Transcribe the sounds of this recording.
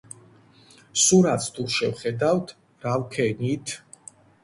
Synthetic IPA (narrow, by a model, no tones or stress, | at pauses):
suɾat̪sʰt̪ʰuʃɛvχɛd̪awt̪ʰ | ɾavkʰɛnit̪ʰ